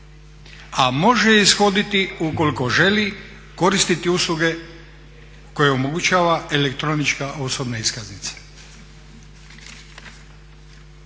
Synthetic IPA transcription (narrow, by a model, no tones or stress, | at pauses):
amo̞ʒeisxo̞d̪it̪iuko̞liko̞ʒe̞li | ko̞ɾist̪it̪iuslˠuɡe̞ | ko̞jeomoɡut͡ʃaːʋaelekt̪ɾo̞nit͡ʃkaʔo̞so̞bneiskaznit̪sḁ